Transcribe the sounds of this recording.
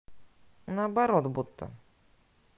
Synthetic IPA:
nabɐɾɔt̪but̪ːa̰

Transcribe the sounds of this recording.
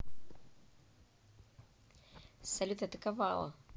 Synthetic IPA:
sɐlʲut̪ɐːt̪ɐkavalˠɐ̰

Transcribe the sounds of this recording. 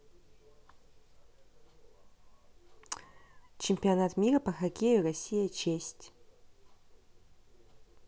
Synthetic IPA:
t͡ʃʰempʲionat̪ʰmʲirɐpɐxakʲejurasʲːijat͡ʃʰesʲtʲ

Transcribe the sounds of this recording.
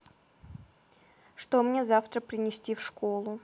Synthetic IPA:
ʂt̪omnʲe̞zaft̪ɾəpɾʲɪnʲɪsʲtʲifʂkolˠʊ

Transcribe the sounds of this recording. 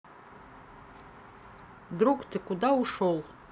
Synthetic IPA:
d̪ɾukt̪ɘkud̪ɑuʂolˠ

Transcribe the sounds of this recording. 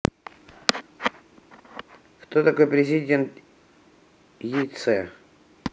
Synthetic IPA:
kt̪ot̪ɐko̞jpɾʲɪzʲɪdʲe̞nt̪ | jit̪sɛ

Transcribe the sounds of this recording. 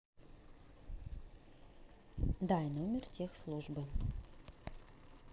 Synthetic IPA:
d̪ɑjnomʲert̪ʰʲexslˠuʒbə

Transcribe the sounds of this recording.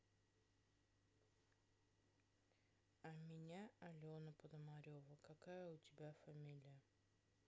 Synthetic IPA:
amʲɪnʲaɐlʲɪonɐpod̪ɐmaɾʲovəkɐkajəʊt̪ʲɪbʲafɐmʲilʲɪjə

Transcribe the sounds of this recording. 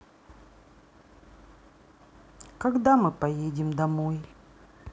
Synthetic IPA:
kɐɡd̪amɨpɐjedʲɪmd̪ɐmoj

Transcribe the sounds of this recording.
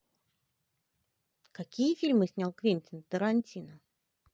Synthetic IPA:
kakʲijəfʲilʲmɨsʲnʲalˠkvʲinʲtʲɪnt̪əɾɐnʲtʲinə

